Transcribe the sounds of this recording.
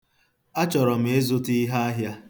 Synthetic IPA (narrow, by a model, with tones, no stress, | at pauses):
a˦t͡ʃɔ˨ɾɔ˨m̩˨e˦zʊ˦ti˦ɦa˦a˦ɦja˦